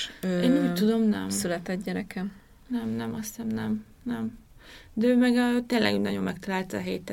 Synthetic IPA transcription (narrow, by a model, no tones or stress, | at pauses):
øeːnuːtt̪ud̪o̞mnɛ̰msylɛt̪ɛd̪ɟɛɾɛkʰɛm | nɛmnɛmɒst̪ɛmnɛm | nɛm | d̪ɛøːmɛɡt̪eːnlɛ̰ɡynɒɟo̞mːɛkt̪ɒlaːlt̪ɒ̰ːɦeːt̪ɛ